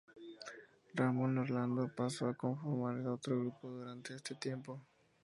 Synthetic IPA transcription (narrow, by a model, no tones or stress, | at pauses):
ramõnoɾland̪opasoako̞ɱfoɾmaɾelot̪ɾoɣɾupo̞ðuɾant̪e̞est̪e̞t̪je̞mpo̞